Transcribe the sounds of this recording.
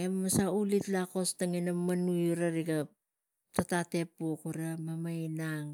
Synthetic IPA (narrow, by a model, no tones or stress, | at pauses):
emmasaulitlako̞staŋinamːanujuɾaɾiɡa | tatate̞pukuɾamamajnaŋ